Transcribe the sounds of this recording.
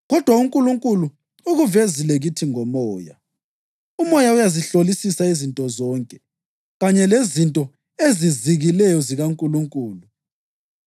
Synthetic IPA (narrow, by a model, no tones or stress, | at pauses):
ɣɔd̥ʱwauŋkʼuluŋkʼulu | uɣuvezilɛɣitʰiŋɔmɔːja̰ | umɔjaujaziɬolisisaizintʼɔzɔːŋkʼɛ | ɣaɲɛlezintʼɔ | eziziɣilɛjɔziɣaŋkʼuluŋkʼuːlu